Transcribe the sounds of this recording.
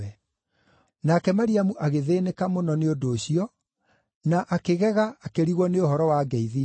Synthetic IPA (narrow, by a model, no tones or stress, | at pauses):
ɛ | nakɛmaɾiamuʔaɣeðeːnekamonɔneondoːɕiɔ | naʔakeɣɛɣaːkeɾiɣwɔneoɦɔɾɔwaɡɛiði